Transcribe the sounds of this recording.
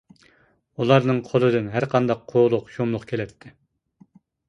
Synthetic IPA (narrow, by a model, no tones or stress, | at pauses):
ulˠɑɾnɨŋqʰolˠɨd̪ɨnɦæɾqʰɑnd̪ɑqʰːoːlˠʊqʃomlˠʊqkʲʰelɛpt̪ʰːɪ